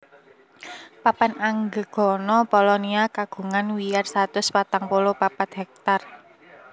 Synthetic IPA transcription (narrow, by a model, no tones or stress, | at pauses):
papanaŋɡəɡ̥ɔ̤nɔpɔlɔniakaɡ̥ṳŋanwijarsat̪ʊspat̪aŋpolopapat̪ɦɛk̚t̪ar